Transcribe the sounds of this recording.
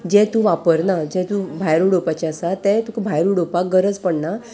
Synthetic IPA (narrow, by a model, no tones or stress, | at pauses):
d͡ʑɛt̪ũʋapəɾnad͡ʑɛ̃t̪ũbʱajɾuɽopat͡ɕiəsat̪ɛt̪ukbʱajɾuɽopakɡəɾət͡spəɳna